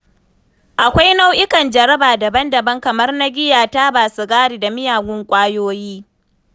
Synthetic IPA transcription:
ʔa˨kʷa˦jna˦wʔɪ˦kɐ˨nd͡ʒɐ˨ɾɐ˦baː˨dɐ˨bɐ˦ndɐ˨bɐ˦ŋkɐ˨mɐ˦rna˦ɡʲɪ˦jaː˨taː˦baː˨su˦ɡaː˦ɽiː˨da˨mɪ˦jaː˨ɡʷʊ˦ŋkʷʼaː˦joː˦jiː˦

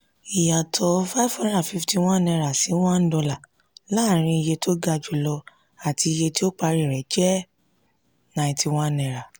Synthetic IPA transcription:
i˨ja˨tʰɔ˨fa˦fɔ̃˦da˦˨fi˦fti˧w̃ã˦˨nɛ̃˧ɾa˨sĩ˨˦wã˦n̩˦dɔ˧la˨ | la˦˨ɾ̃ĩ˧i˧je˧tʰo˦ɡa˧d͡ʒu˧lɔ˧ | a˨tʰi˧i˧je˧ti˦o˦k͡pa˧ɾi˦˨ɾɛ˨d͡ʒɛ˦ | nã˧ĩ˧ti˧w̃ã˦˨nɛ̃˧ɾa˨

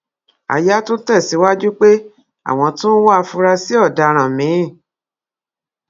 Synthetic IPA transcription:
a̰˨ja˦to˦tɛ˦˨si˨˦wa˦d͡ʒu˦k͡pe˦ | a̰˦˨w̃ɔ̃˧tũ˦wa˧fũ˧ɾa˧si˦ɔ˦˨da˧ɾ̃ã˨mĩ˨˦˨

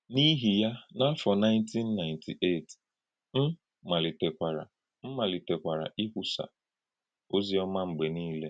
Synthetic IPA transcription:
ni˦ɦi˨ja˦na˦fɔ˨na˦ɪ̃˦ntʰi˦nːa˨ɪ˨ntʰi˨ʔe˦˨t | m̩˦ | ma˨lɪ˨te˨kʷa˨ɾa̰˨ | m̩˦ma˨lɪ˨te˨kʷa˨ɾa̰˨ʔi˦kʷu˦sa̰˨ | o˦zi˦ɔ˦ma˦ŋ͡m̩˨ɡ͡be˨niː˦le˦

